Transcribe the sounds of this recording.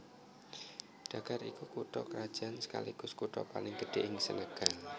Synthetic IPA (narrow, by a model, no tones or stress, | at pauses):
ɖ̥a̤ɡ̥arikukuʈ̪ɔkəɾad̥ʒ̥ansə̥ka̰liɡ̥ʊskuʈ̪ɔ̰palɪŋɡəɖ̥eʔɪŋsənəɡ̥a